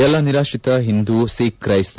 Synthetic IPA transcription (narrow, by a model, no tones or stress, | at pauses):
ɛlːɐniɾaːʃit̪ɐɦind̪usiːkɾɐjist̪